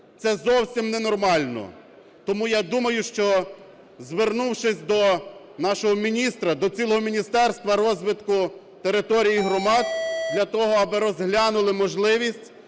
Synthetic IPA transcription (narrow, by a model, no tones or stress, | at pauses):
t̪sɛzɔwsʲimnɛnɔrmɑlʲnɔ̰ | t̪ɔmujad̪umɐjʊʃt͡ʃɔ | zʋernuwʃɪsʲd̪ɔnɑʃɔɦɔmʲinʲist̪ɾɐd̪ɔt͡sʲilˠɔɦɔmʲinʲist̪ɛrst̪ʋɐɾɔzʋɪt̪kʊ | t̪eɾɪt̪ɔɾʲijiɦɾɔmɑd̪̚d̪lʲɐt̪ɔɦɔɐbɪɾɔzɦlʲanʊlˠɪmɔʒlˠɪʋʲisʲtʲ